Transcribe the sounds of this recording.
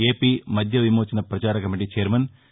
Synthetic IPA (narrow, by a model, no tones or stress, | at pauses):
eːpimɐd̪ʱjɐʋimoːt͡ɕːɐnɐprɐt͡ɕaːɾɐkɐmiʈit͡ɕeːɾmɐn